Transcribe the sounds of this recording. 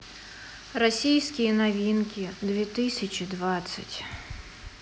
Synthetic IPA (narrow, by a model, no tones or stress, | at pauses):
rɔsʲijsʲkʲijɛnɐʋʲinkʲid̪ʋʲit̪ɪsʲɐt͡ʃʲid̪ʋɑt̪sʲɐ̰tʲ